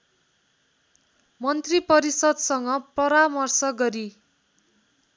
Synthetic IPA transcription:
mʌnt̪ripʌɾisʌd̪sʌŋɡʌprʌɾamʌrsʌɡʌɾi

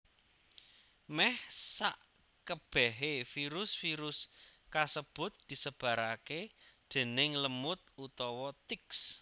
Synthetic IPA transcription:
mɛhsaʔ | kəb̥ɛɦefiɾʊsfiɾʊskasəb̥ʊ̤t̪̚d̪̥i̤səb̥ä̤ɾaked̪̥e̤nɪŋləmʊt̪̚ut̪ɔwɔt̪ɪks

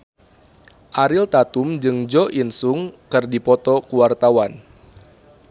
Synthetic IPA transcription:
ʔaɾilt̪at̪umd͡ʒɨŋd͡ʒɔʔinsuŋkɨrdipɔt̪ɔkuwart̪awan

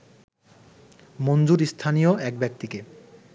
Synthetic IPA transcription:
mond͡ʑuɾist̪ʰanijoʔɛk̚bɛk̚t̪ike

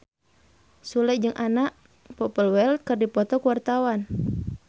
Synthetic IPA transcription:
sulɛd͡ʒɨŋʔanaʔ | pɔpəlwɛlt̪̚kɨrdipɔt̪ɔkuwart̪awan

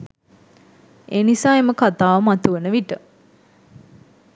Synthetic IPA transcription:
ʔeːnisaːeməkat̪aːʋəmat̪uʋənəʋiʈə

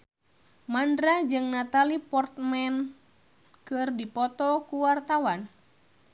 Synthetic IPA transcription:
mandɾad͡ʒɨŋnat̪alipɔrt̪̚mɛn | kɨrdipɔt̪ɔkuwart̪awan

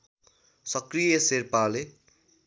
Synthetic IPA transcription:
sʌkrijʌserpale

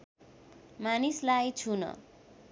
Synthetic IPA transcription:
manislajt͡sʰunʌ̰

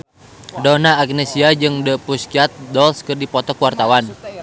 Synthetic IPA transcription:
dɔnaːɡ̚nɛsiad͡ʒɨŋdəpuskiat̪̚dɔlskɨrdipɔt̪ɔkwart̪awan

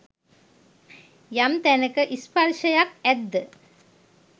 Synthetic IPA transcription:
jamt̪ænəkəʔisparʃəjakæd̪ːə

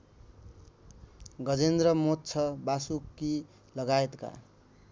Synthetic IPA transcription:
ɡʌd͡zend̪rʌmotːt͡sʰʌbasukːi | lʌɡaet̪ka̰

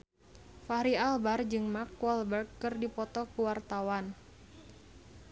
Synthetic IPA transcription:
faɾialbard͡ʒɨŋmakːwɔlbɛrkːɨrdipɔt̪ɔkuwart̪awan

